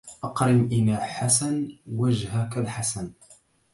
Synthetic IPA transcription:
ʔɑqɾɪmʔɪnaːħasanwaʒhakalħasan

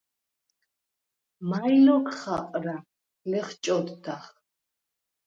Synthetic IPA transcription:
majlɔkʰχaqʼɾa | lɛχt͡ʃʼɔd̪ːaχ

